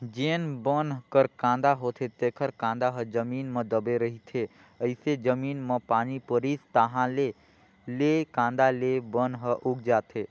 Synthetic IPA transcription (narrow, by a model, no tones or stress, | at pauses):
d͡ʒeːnbənkəɾkãːnd̪aɦot̪ʰet̪eːkʰəɾkãːnd̪aɦəd͡ʒəmiːnmə̃d̪əbeɾəɦit̪ʰe | əɪsed͡ʒəmiːnməpaːnipəɾiːst̪əɦãle | lekãːnd̪alebənɦəʔuɡ̚d͡ʒaːt̪ʰe